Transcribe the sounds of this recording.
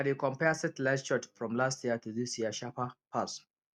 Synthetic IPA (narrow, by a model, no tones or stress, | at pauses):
aɾikɔ̃mpɛsɛtlaʃɔtfɹɔ̃mlastjiətuðisjiəʃapapʰas